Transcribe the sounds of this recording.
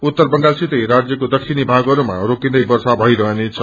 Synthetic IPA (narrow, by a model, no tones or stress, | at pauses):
ut̪ːʌrbʌnɖasit̪ʌjɾad͡zjʌkod̪ʌksʰinibʱaɡʌɾuma̰rokind̪ʌjbʌrsabʱʌjɾʌɦenet͡sʰʌ